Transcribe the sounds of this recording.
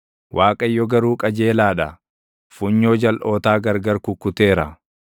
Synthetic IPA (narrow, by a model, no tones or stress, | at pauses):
wʔaːkʼɐjːɔɡɐɾuːkʼɐd͡ʒe̞ːlaːᶑɐ | fʊɲːo̞ːd͡ʒɐlʔo̞ːt̪aːɡɐɾɡɐɾkʊkːʊt̪e̞ːɾɐ